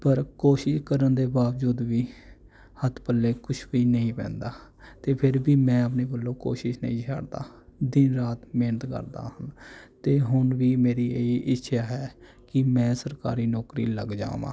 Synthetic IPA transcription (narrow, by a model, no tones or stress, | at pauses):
pəɾkoːʃɪʃkəɾənd̪eːbaːʋd͡ʒuːd̪ʋiː | hət̪ʰpəlːeːkʊt͡ʃʰʋiːnəɦĩːpɛ̰̃ːnd̪aː | t̪eːpʰɪɾbiːmɛ̃ːəp̬neːbəlːõːko̰ːʃɪʃnə̰ĩːt͡ʃʰə̰ɽd̪a̰ːd̪ɪnɾaːt̪meːnət̪kə̰ɾd̪a̰ːhənt̪eːɦʊɳʋiːmeːɾiːeːiʔɪtːʃʰaːɦɛː | kɪmɛ̃ːsəɾka̰ːɾiːnɔːkɾiːlə̰ɡd͡ʒa̰ːmã̰ː